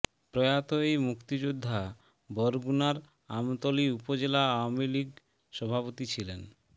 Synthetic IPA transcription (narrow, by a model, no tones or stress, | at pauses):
pɾɔjat̪oejmukt̪id͡ʑud̪ʱːa | bɔɾɡunaɾ | amt̪oliupod͡ʑelaawamiliɡ | ʃɔbʱapot̪it͡ɕʰilen